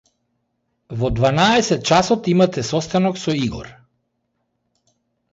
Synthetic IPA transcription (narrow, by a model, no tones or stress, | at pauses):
vɔd̪vanaɛsɛt̪̚t͡ʃasɔt̪imat̪ɛsɔst̪anɔksɔiɡɔ̰ɾ